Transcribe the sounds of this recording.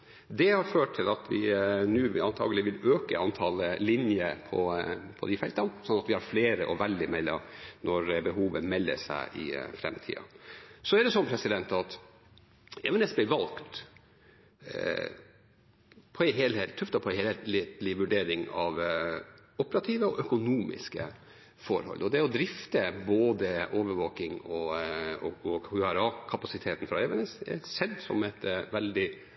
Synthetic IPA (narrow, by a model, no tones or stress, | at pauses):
d̪ɛhɑɾføːʈʰːɪlɑt̪ʋɪ̰nʉːɑnt̪ʰɑ̰ːɡəlɪʋɪløːkə̰ɑnt̪ʰɑllɪnjəpʰɔ̰pʰɔ̰d̪ɪfɛlt̪ɑnsɔnːɑt̪ʋɪhɑɾfleːɾəʔɔʋɛld̪ɪmɛlːɑ̰nʔɔɾbəɦuːʋəmɛlːə̰ʂæ̰ɪʔɪ̰fɾɛ̰mt̪ʰḭːɑ̰sɔɛɖɛsɔnpʰɾɛsɪd̪ɛnt̪ɑt̪ | ɛʋɛnɛsbɪʋɑlkt̪ | pʰɔæɪɦeːlhelt̪ʰːʉft̪ɑpʰɔhet̪lɪt̪lɪʋʉɖeːɾɪŋɑʋ | ʊpəɾɑt̪ʰiːʋəɔʔœkʊnuːmɪ̰skə̰ | fɔɾhɔ̰lːɔd̪ɛɔd̪ɾɪft̪əboːd̪əʔoːʋəɾʋoːkɪŋɔɔ̰ɔhʉæɾɑːkʰɑpɑsɪt̪ʰeːt̪n̩fɾɑɛʋɛnɛsɛ̰sɛd̪sɔ̰mɛt̪ʋɛld̪ɪ